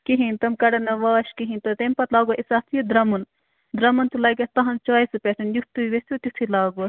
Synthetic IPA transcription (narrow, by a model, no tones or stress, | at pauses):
kiɦint̪ɐmkɐɽɐnɐʋaːʃkiɦinʲt̪ɐt̪empɐt̪laːɡoʔisaːt̪ʰijud̪ɾɐmun | d̪ɾɐmɐnt̪ulɐːɡɐst̪ɐɦɐnt͡ʃaːisɨpʲesenjut̪uʋest̪ʲjut̪jut̪ʰilaːɡo